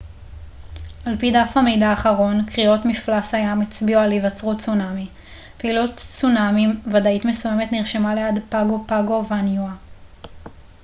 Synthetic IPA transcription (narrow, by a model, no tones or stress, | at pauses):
ʔalpidafhame̞jdaːχaʁo̞nkʁio̞tmiflasajamit͡sbiualivat͡sʁutt͡sunami | peilutt͡sunamimvadaitme̞suje̞me̞t̪niʁʃemaleadpaɡopaɡo̞vanjua